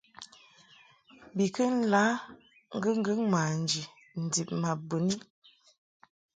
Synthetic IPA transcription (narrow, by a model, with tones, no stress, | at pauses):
bi˨kə˦n̩˦la˨˦ | ŋ̩˦ɡə˦ŋ̩˦ɡə˦ŋma˨n˨d͡ʒi˨ | n̩˨di˨p̚ma˨bə˨ni˦